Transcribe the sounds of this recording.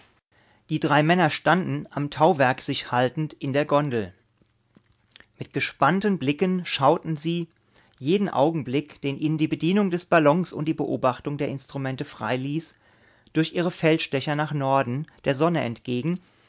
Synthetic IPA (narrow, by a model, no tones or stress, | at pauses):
d̥iːdʁaɪmɛnɐʃtandn̩ʔamtʰaʊvɛɐkz̥ɪçhaltn̩tʔɪndeːɐɡɔndl̩ | mɪt̚ɡ̥əʃpantənblɪkənʃaʊtn̩ziː | jeːdn̩ʔa̰ʊɡŋ̩blɪkd̥eːnʔiːnəndiːbədiːnʊŋdɛsb̥alɔŋsʊ̰nt̚d̥iːbəʔoːbaχtʊŋdeːɐɪnstʁ̥umɛntəfʁ̥a̰ɪliːs | d̥ʊɐçʔiːʁ̞əfɛlʃd̥ɛçɐnaːχnɔɐdn̩d̥eːɐzɔnəʔɛ̰ntɡ̥eːɡŋ̩